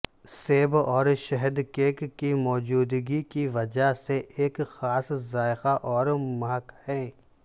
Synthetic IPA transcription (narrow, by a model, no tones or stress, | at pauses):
seːbɔːɾʃɛɦəd̪keːkːimɔːd͡ʒuːd̪ɡikiʋɐd͡ʒaseʔeːkxaːszaːɪxaʔɔːɾmaɦəkhɛ̃ː